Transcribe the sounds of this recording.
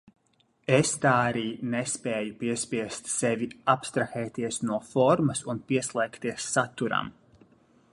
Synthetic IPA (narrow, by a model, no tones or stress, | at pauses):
est̪aːaɾiːnespɛːjupiɛspʲiɛst̪seviapst̪ɾaxɛːt̪iɛsnuɔfɔɾmɐsunpiɛslˠɛːkt̪iɛsːat̪ːuɾa̰m